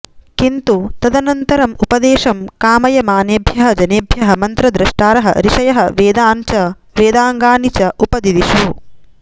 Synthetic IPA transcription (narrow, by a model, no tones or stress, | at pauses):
kint̪ut̪ɐd̪ɐnɐnt̪ɐɾɐmupɐd̪eːʃɐmkaːmɐjɐmaːneːbʱjɐɦɐ̆d͡ʒɐneːbʱjɐɦɐ̆mɐnt̪ɾɐd̪ɾɐʂʈaːɾɐɦɐ̰ɾiʃɐjɐɦɐʋeːd̪aːnt͡ʃɐ | ʋeːd̪aːŋɡaːnit͡ʃɐʔupɐd̪id̪iʃu